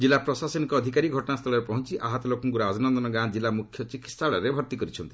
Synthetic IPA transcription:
d͡ʒilːapɾɔsasɔnikɔːd̪ʱikaɾiɡʱɔʈɔnast̪ʰɔlɔɾepɔɦɔnt͡ʃiʔaɦɔt̪ɔlokɔŋkuɾɔad͡ʒɔnɔnd̪ɔnɔɡãd͡ʒilːamukʰjɔt͡ʃiki̥t̪saɭɔɾebʱɔɾt̪ikɔɾit͡ʃʰɔnt̪i̥

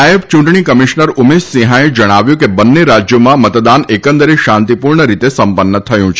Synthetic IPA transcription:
aəbt͡ʃũɳʈɳikəmiʃnəɾʊmessĩɦãed͡ʒəɽ̃aʋjũkebənːeɾad͡ʒjomãmət̪d̪anekə̃nd̪əɾiʃãnt̪ipuɾɳəɾit̪esəmpənːət̪ʰəjũt͡ʃʰe

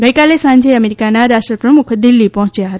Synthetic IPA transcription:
ɡəjkalesãnd͡ʒeəmeɾikanaɾaʃʈɾəpɾəmukʰd̪ilːipɔɦɔ̃t͡ʃjaɦət̪

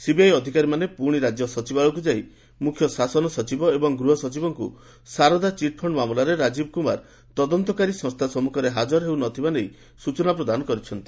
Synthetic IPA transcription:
sibiajɔd̪ʱikaɾimanepuɾɽ̃iɾad͡ʒjɔsɔt͡ʃibaɭɔkud͡ʒai | mukʰjɔsasɔnɔsɔt͡ʃibɔebɔŋɡɾuɦɔsɔt͡ʃibɔŋkṵ | saɾɔd̪at͡ʃiʈ̚pʰɔɳɖmamlaɾeɾad͡ʒibɔkumaɾ | t̪ɔd̪ɔnt̪ɔkaɾisɔ̃ŋst̪ʰasɔmukʰɔɾeɦad͡ʒɔɾɦewnɔt̪ʰibanej | sut͡ʃɔnapɾɔd̪anɔkɔɾit͡ʃʰɔnt̪i̥

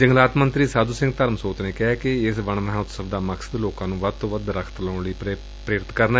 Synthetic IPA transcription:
d͡ʒəŋɡlaːt̪mənt̪ɾiːsaːd̪uːsɪ̃ŋɡ̚t̪əɾmsoːt̪neːkɪɦaːkɪɪsʋəɳməɦaʊt̪səbd̪aːməksəd̪loːkãːnũːʋəd̪̚t̪õːʋəd̪ɾəkʰt̪ləʊɳliː | pɾeːɾɪt̪kəɾna

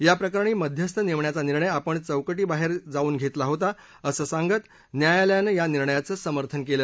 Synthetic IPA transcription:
japɾəkaɾɳ̃iːməd̪ʱjəst̪ʰəneʋɳjat͡saniɾɳəjapəɳt͡səwkəʈiːbaɦeɾd͡zauːnɡʱet̪laɦot̪a | əsəːsãŋɡət̪ | njajaljanəjaniɾɳəjat͡səsəməɾt̪ʰənkelə

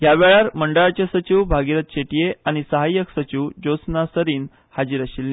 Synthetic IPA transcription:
ɦjaʋeɭaɾməɳɖəɭat͡ɕasət͡ɕiʋbʱaɡiɾət̪̚ɕeʈijeaɽ̃isəɦajːəksət͡ɕiʋd͡ʑot͡snasəɾiːn | had͡ʑiːɾəɕilːe

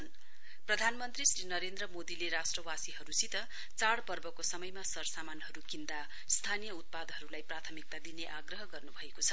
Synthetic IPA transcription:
n | prʌd̪ʱanmʌnt̪risrinʌɾend̪rʌmod̪ileɾasʈrʌwasiɦʌɾusit̪ʌ | t͡saɽpʌrbʌkosʌmʌjmasʌrsamanɦʌɾukind̪a | st̪ʰanijʌut̪̚pad̪ɦʌɾulajprat̪ʰʌmik̚t̪ad̪ineʔaɡrʌɦʌɡʌrnubʱʌekot͡sʰʌ

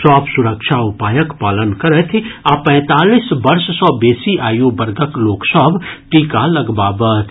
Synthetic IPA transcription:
sɔːbʰsʊɾəkʃʰaʊpaːjəkpaːlənkɐɾət̪ʰaːpɛ̃ːt̪aːliːsbɐɾʃsɔːbeːsiʔaːjobəɾɡəkloːksəbʱʈiːkalɐɡbaːbəːt̪ʰ

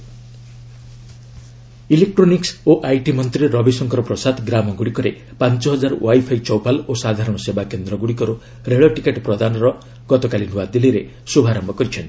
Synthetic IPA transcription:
ilek̚ʈɾoniksoʔajʈimɔnt̪ɾiɾɔbisɔŋkɔɾɔpɾɔsad̪ɡɾamɔɡuɽikɔɾe | pant͡ʃɔɦɔd͡ʒaɾɔwajpʰajt͡ʃɔwpalosad̪ʱaɾɔɽ̃ɔsebakend̪ɾɔɡuɽikɔɾo | ɾeɭɔʈikeʈpɾɔd̪anɔɾɔ | ɡɔt̪ɔkalin̤uwad̪iliɾe | subʱaɾɔmbʱɔkɔɾit͡ʃʰɔni

